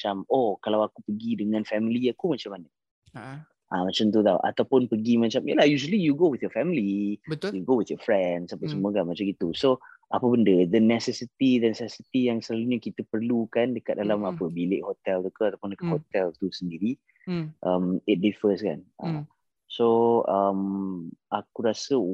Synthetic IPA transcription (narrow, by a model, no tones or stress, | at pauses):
mat͡ʃamokalawakupəɡidəŋãnfɛmiliakumat͡ʃamanə | ʔamat͡ʃamt̪̬ut̪awʔa̰t̪awpʊnpəɡimat͡ʃamjəlahjuʒəlijuɡowɪθjɔfɛmilibət̪juɡowɪθjofɾɛndsapəsəmũəkanmat͡ʃamɡit̪uso | ʔapəbəndəd̪ənɛsɛsit̪idənɛsɛsit̪ijaŋsəlaluɲəkit̪əpərlukandəkat̪̚dalamapəbilɪʔhot̪ɛlt̪ukəat̪apʊndəkat̪̚hot̪ɛlt̪usəndiɾi | ʔəmɪt̚difəska̰nʔa̰ | soəmʔakuɾasə